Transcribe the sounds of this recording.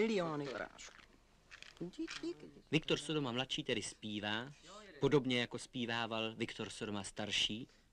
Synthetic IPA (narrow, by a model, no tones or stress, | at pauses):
ɪlɪoːnɪfɾa̰ːʃku̥ | vɪkt̪o̞ɾsodo̞mamlat̪ʃiːt̪ɛdɪspiːvaːpo̞do̞bɲɛjako̞spiːvaːvalvɪkt̪o̞ɾsodomast̪aɾʃiː